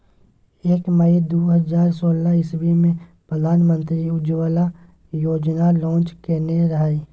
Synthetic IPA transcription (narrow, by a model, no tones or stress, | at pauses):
eːkməid̪oːɦəzaːɾsoːlaɪsbimẽpɾəd̪ʱaːnmə̃nt̪ɾiʊd͡ʒwəla | joːd͡ʒnalɔ̃ːt͡ʃkeneɾɐɦaːiː